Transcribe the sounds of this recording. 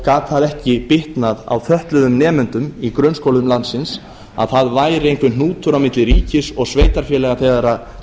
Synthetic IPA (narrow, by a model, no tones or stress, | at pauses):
kaːt̪θaðɛhcɪpɪht̪naða̰wθœht̪lʏðʏmnɛːmʏnt̪ʏmikɾœnskowlʏmlant̪sɪns | a̰ðθaðvaːjɾɪejŋkvɪnnuːt̪ʏɾawmɪt̪lɪɾiːcɪsɔɣsveːjt̪aɾ̥fjɛlɛɣaθeɣðaɾa